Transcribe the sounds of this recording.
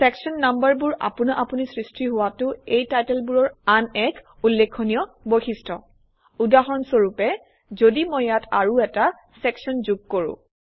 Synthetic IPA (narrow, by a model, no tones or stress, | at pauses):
sɛksɔnːambaɹbuɹʔa̰pʊnaʔapunisɹistʰiɦʊwatʊejtajtɛlbuɹɔɹanɛk | ulːekʰːonijɔ | bojxistʰɔ | udaɦɔnsoɹupɛ | zodimojatʰa̰ɹuɛta | sɛksɔnzuɡ̚koɹʊ̰̃